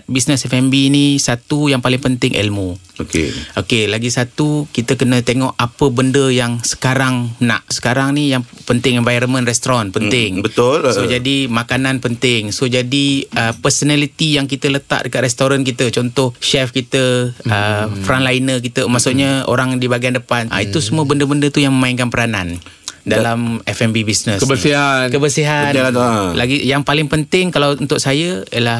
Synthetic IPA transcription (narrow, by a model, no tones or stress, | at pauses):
bisnəsɛfɛmbinisat̪ujaŋpalɪŋpənt̪ɪŋʔɛ̰lmuokḛʔokelaɡisat̪ukit̪əkənə̃t̪eŋɔʔapəbəndəjaŋsə̥kaɾaŋna̰ʔsə̥kaɾaŋnijaŋpənt̪ɪŋɛ̃nvajɾəmə̃nrɛst̪ɾɔnpənt̪ɪŋbət̪ʊlsod͡ʒadimakanãnpənt̪ɪŋsod͡ʒadiəpərsənalit̪ijaŋkit̪ələt̪a̰ʔ̚dəkat̪rɛst̪oɾank̬it̪ət͡ʃɔnt̪ɔhʃɛfkit̪əəfɾanlainək̬it̪əmaʔsuʔɲao̰ɾaŋdibaɡiandəpanʔa̰it̪usəmuəbəndəbəndət̪ujaŋməmaiŋkanpəɾanan | dalamɛfɛmbibisnəskəbəiakəbərsiɦaalaɡijaŋpalɪŋpənt̪ɪŋkalawunt̪ʊʔsajəəlah